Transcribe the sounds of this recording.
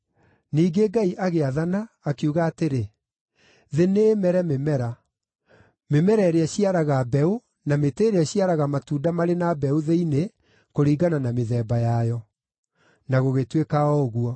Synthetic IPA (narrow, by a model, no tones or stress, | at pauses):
niːɡeɡaiʔaɣeaðanaːkuɣaːteɾe | ðeneːmɛɾɛmemɛɾa | memɛɾɛɾeɛɕiaɾaɣabɛo | nameteɾeɛɕiaɾaɣamatuːdamaɾenabɛuðeine | koɾiːɡananameðɛːbajajɔ | naɣoɣetwekaɔɣuɔ